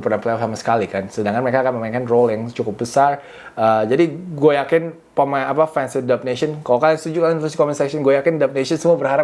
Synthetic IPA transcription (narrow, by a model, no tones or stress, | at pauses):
pərnanpleɔfsamasə̥kalikansədaŋkanməɾekaːkanməmaiŋkanroljaŋt͡ʃukʊp̚bəsar | əd͡ʒadiɡuajakɪn | pamaapafɛnsɪdap̚nesɔnkalokalŋst̪ud͡ʒukalinusi̥kɔmɛnsɛksɔnɡojakɪndap̚nesɔnsəmuabərɦaɾa